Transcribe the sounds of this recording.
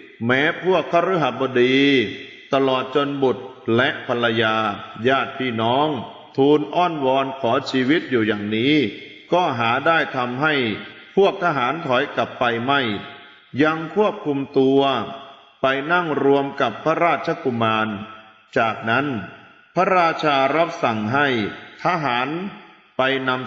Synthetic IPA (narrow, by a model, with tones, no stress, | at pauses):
mɛː˦˥pʰu˥˩ək̚ʰːa˧˥˩ɾu˦˥ɦa˨˩bɔː˧diː˧ | t̪a˧lɔː˨˩t̪̚t͡ɕo˧nbu˨˩t̪̚lɛ˦˥ʔpʰa˧lːa˧jaː˧jaː˥˩t̪̚pʰːiː˥˩nɔː˦˥ŋ | t̪ʰuː˧nʔɔː˥˩nwɔː˧nkʰɔː˩˦t͡ɕʰiː˧wi˦˥t̪̚juː˨˩jaː˨˩ŋniː˦˥ | kɔː˥˩ɦaː˩˦daː˥˩jt̪ʰa˧mɦa˥˩jpʰu˥˩ək̚t̪ʰa˦˥ɦaː˩˦nt̪ʰɔ˩˦jka˨˩pːa˧jma˥˩j | ja˧ŋkʰu˥˩əp̚kʰu˧mt̪u˧ɐ | pa˧jna˥˩ŋɾu˧əmka˨˩pʰːa˦˥ɾaː˥˩t̪̚t͡ɕʰa˧ku˧maː˧n | t͡ɕaː˨˩k̚na˦˥n | pʰa˦˥ɾaː˥˩t̪̚t͡ɕʰaː˧ɾa˦˥p̚sa˨˩ŋɦa˥˩jt̪ʰa˦˥ɦaː˩˦n | pa˧jna˧m